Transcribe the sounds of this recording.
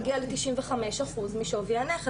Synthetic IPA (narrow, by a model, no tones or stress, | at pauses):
ɡialet̪iʃimveχame̞ʃaχuzmiʃovianeχe